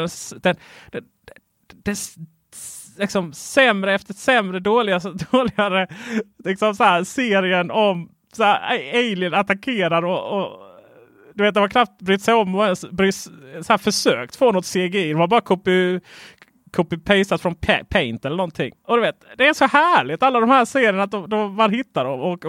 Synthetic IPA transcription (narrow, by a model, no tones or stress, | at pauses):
ɛnsd̪̥ɛnd̪̥ɛ | d̪̥ɛ | lɪksɔmsɛmɾəɛft̪əsɛmɾəɖoːlɪɡad̪oːlɪɡaɾəlɪksɔmsahæɾseːɾɪənɔm | saɾeɪlɪənat̪akʰeːɾaɾɔɔ | d̪̥ɵveːt̪̚d̪ɛvakʰɾaft̪̚bɾyːt̪sɛjɔmːɔɛnsbɾyːssæːɾfœʂøːkt̪foːnɔt̪ːseːɡɪd̪ɔmvaɾbɑːɾakʰʊpːɪ | kʰʊpːɪpʰɛɪsat̪fɾɔnpʰɛpʰɛɪnt̪ɛlːəɳɔnt̪ʰɪ̰ŋːɔd̪ɵveːt̪̚d̪ɛæʂɔhæːɭɪt̪alːad̪ɔmhæːseːɾɪənat̪̚d̪ɔmd̪ɔmbɑɾhɪt̪ːadɔmɔk